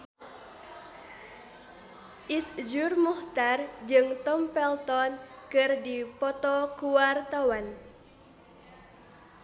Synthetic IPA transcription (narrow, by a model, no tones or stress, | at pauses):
ʔisd͡ʒurmuht̪ard͡ʒɨŋt̪ɔmfɛlt̪ɔnkɨrdipɔt̪ɔkuwart̪awan